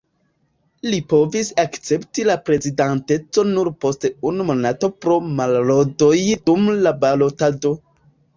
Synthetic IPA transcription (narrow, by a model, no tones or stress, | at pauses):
lipo̞visakt͡se̞ptilapɾe̞zidante̞t͡so̞nuɾpo̞steunumo̞nato̞pɾo̞malɾodo̞jdumlabalo̞tado̞